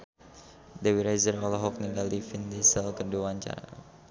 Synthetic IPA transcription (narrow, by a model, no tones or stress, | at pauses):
dɛwiɾajzərɔlɔɦɔk̚niŋɡaldifind̪ɛsɛlkərduaɲt͡ʃa̰ɾa̰